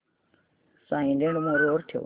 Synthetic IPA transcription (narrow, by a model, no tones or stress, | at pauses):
sãːĩːnd̪ẽɳɽmõːɾeoːɾt̪ʰɪjo̰ː